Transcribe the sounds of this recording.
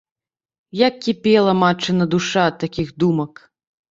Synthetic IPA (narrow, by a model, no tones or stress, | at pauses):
jakːʲipʲɛlˠɐmat͡ʂːɨnɐd̪uʂaɐt̪ːakʲixd̪umɐk